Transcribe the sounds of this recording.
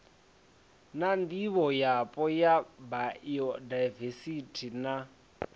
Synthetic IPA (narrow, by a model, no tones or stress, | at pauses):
nandiβɔjapʼɔjabaɔdajvesitʰina